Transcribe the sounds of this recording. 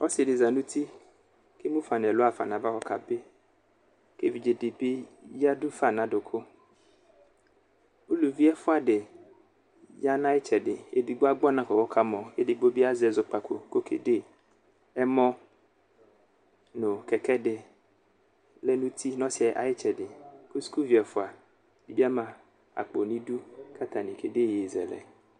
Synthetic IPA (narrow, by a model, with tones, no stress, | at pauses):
ɔ˦sdɪ˨zã˨nũ˦t̪ʰi˦ | ke˦mũ˦fa˨n˨ɛ˨lo˦a˨fa̰˨nã˨va˦kɔ˨kʰa˨be˦ | ke˦vi˨d͡ʒe˨de˨be˦ja˦du˦fa˨nã˨dʊ˨kʰo˦ | o˦lu˨vi˦ɛ˦fʊ˦a˨ɖe˨ | ja˦nã˦jɪ˦t͡ʃɛ˨dɪ˨e˨di˨ɡ͡bo˦a˦ɡ͡bɔ˦nã˨kɔ˨kɔ˦kʰa˦mɔ̃˨e˦dɪ˦ɡ͡bo˦bi˦a˦zɛ˨zʊ˦k͡pa˨kʰo˨ko˦kʰḛ˨de˦ | ɛ˦mɔ̃˦ | nʊ̃˨kɛ˨kɛ˦dɪ˨ | lɛ˦nũ˦t̪ʰi˦nɔ̃˦sɪ˦ɛ˨ʔa̰˨jɪ˦t͡ʃɛ˨dɪ˨ko˦su̥˦ku˦vi˨ɛ˨fʊ˦a˨ | di˨bi˦a˦mã˨ | a̰˨k͡po˨nĩ˦du˦kʰa˦t̪ʰa˨nĩ˨kʰe˨de˦˨je˨zɛ̰˨lɛ̰˨